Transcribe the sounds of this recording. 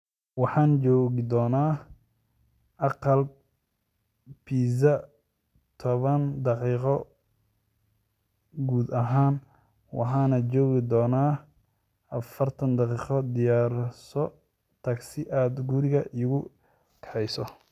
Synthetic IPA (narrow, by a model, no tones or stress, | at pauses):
wɑħɑːnt͡ʃɔːɣɪd̪ɔːnaː | ʔɑqɑl | pʰiːzɐ | t̪ʰɔβɐnd̪ɑqiːqɔ | ɡuːd̪ɐɦaːn | wɑ̰ħɑːnɐt͡ʃɔːɣɪd̪ɔːnaː | ʔɐfɐrt̪ʰɐnd̪ɑqiːqɔd̪ɪjaːɾsɔ | t̪ʰɐɡsɪʔaːd̪ɡʊɾɪɣɐʔiːɣʊ | kʰɛħɛjsɔ